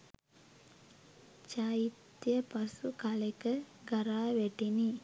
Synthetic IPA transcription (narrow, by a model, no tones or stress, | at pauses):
t͡ʃait̪ːjəpasukalekəɡaɾaːʋæʈini